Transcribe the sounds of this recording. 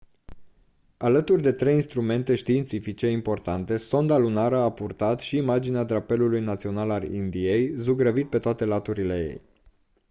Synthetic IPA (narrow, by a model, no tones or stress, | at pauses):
alət̪urʲd̪e̞t̪ɾe̞jinst̪ɾume̞nt̪e̞ʃt̪iːnt̪sifit͡ʃe̞impo̞rt̪ant̪e̞so̞nd̪alunaɾəapurt̪at̪ʃiːmad͡ʒinead̪ɾape̞lulujnat̪sio̞nalalḭnd̪ije̞jzuɡɾəvit̪̚pe̞t̪oat̪e̞lat̪uɾile̞̰je̞̰j